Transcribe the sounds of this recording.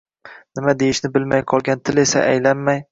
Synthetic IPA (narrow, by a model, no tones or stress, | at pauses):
nɪmad̪ejɪʃnɪbɪlmajqʰɒlˠɡʲant̪ʰɪle̞sa̰ʔa̰jlanmaj